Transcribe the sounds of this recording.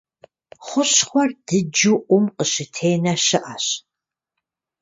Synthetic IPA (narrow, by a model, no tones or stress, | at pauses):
χʷʊɕχʷɔrd̥ɨd͡ʒuʔʷʊmqəʃɪtʰeːnɐʃɪʔɐɕ